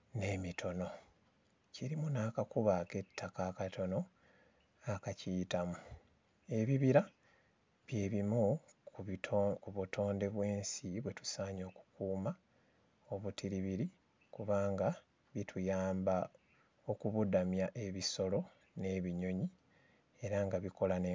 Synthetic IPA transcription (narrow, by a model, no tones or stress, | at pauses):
ne̞mitʰo̞no̞ | ciɾimunaːkakuβake̞tːakaːkato̞no̞ | akacijtamu | e̞βiβiɾa | βje̞ːβimu | kuβutʰo̞ːnde̞βwe̞ːnsiβwe̞tu̥saːɲo̞ːku̥kuːma | o̞βutʰiɾiβiɾi | kuβaːŋɡa | βitʰujaːmba | o̞kuβudamjaʔe̞βiso̞lo̞ | ne̞βiɲo̞ɲi | e̞ɾaŋɡaβiko̞lane